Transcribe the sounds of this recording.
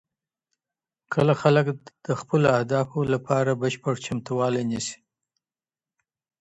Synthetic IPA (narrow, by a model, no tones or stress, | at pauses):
kʰəlaxaləkd̪̥əxpəloahd̪ɑfolapʰɑɾabəʃpəɽt͡ʃamt̪uwɑlenisi̥